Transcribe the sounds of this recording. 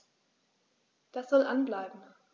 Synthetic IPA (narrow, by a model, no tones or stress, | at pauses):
d̥asz̥ɔlʔanblaɪbm̩